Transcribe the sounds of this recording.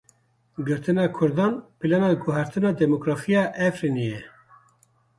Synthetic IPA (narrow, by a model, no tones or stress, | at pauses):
ɡɨɾt̪ɨnɑkʰʊɾd̪ɑːnpilɑnɑɡʊɦæɾt̪ɨnɑːd̪ɛmokɾɑːfijɑːʔɛfɾinijɛ